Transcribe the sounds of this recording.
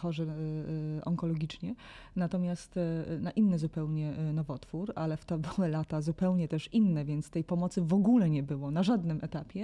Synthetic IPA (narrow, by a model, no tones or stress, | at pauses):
xɔʐɛ | ɔ̰ŋkɔlɔɡʲit͡ʂɲɛnat̪ɔmʲjast̪naʔinːɘzupɛwɲɛnɔvɔt̪fuɾalɛft̪ɔbɘwɘlat̪azupɛwɲɛt̪ɛʂinːɛvʲjɛnt̪st̪ɛjpɔmɔt̪sɘvɔɡulɛɲɛbɘwɔnaʐad̪nɘmʔɛt̪apʲjɛ